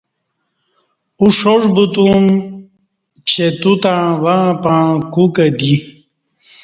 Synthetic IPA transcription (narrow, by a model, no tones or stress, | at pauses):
uʂoʐbut̪um | t͡ɕet̪ut̪ãːʋãːpãːkukɐd̪i